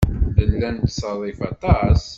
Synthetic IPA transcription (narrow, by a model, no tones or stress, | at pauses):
ðənlænt̪sˤɑðˤifɑt̪ˤɑs